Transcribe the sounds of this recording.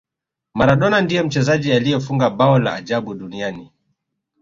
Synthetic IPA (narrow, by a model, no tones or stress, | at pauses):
maɾaɗɔnandijɔm̩t͡ʃɛzaʄialijɔfuŋɡaɓaɔla̰aʄaɓuɗuniani